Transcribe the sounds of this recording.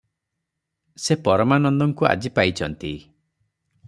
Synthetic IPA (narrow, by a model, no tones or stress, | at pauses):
sepɔɾɔmanɔnd̪ɔŋkua̰d͡ʒipajt͡ʃʰɔnt̪i